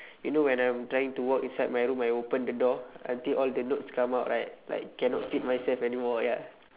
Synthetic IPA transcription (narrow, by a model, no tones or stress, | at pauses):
junowɛ̃nãj̃mtɹajĩŋtuwɔkĩnsajd̚majɹũmajopə̃ndədɔã̰ntilʔɔldənotskãmawʔ̚ɹʔajt̚la̰jkːɛnɔtfit̚majsɛlfɛnimɔja